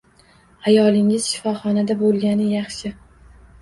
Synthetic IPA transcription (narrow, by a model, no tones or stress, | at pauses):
ajɒlˠɪŋɪz̥ʃɪfɒχɒnad̪abolˠɡʲanɪjɑχʃɪ